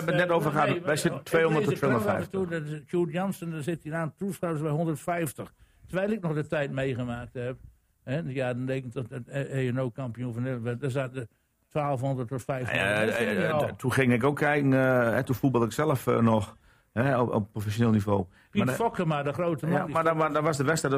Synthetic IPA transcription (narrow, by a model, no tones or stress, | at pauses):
ʋənɛtoːvərxaʋɛjsɪttʰʋeːhõndəttʰːeːondɛjətuɔkʰjuːtjɔnsəndɔnsɪtiənaːntusawsbɛjɦondərtfɛjftəx | təʋɛjlˠɪk̚nɔxdətɛjt̚mejɣəmaːk̚thɛp | hɛjadɔndekətɔɔteənoːkampijũfəneləʋɛdɔsat̚də | tʋaːlˠfhondərtɔfɛjfja̰ | tʰuxɪŋɪkokʰːɛjkn̩ɛtufubɔlˠɪksɛlˠəfnɔx | hɛɔ̰ppːrofɛsjoneːlˠnivoː | afɔkəmadəxroːtəmɔiaadɔʋɔsdəʋɛstɛ